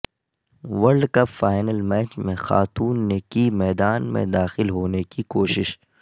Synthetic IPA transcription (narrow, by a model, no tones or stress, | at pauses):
ʋɐɾɖkɐpfaːɪnəlmɛːt͡ʃmẽxa̰ːt̪uːnːekimɛːd̪aːnmḛ̃d̪aːxɪlɦoːnekikoːʃɪʃ